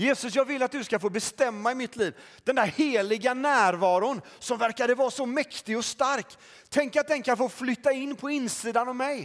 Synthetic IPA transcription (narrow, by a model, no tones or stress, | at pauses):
jeːsɵsjɑːɡvɪlːat̪̚d̪ɵskafoːbɛst̪ɛmːaɪmɪt̪ʰːliːv | d̪̥ɛnd̪æɾheːlɪɡanæːɾvɑːɾʊnsɔmvæɾkad̪əvɑːɾasɔmɛkt̪ɪɡɔst̪aɾk | t̪ʰːɛŋkat̪̚d̪ɛnkʰanfoːflʏt̪ːaɪnːpʰɔɪnːsiːd̪anɔvmɛj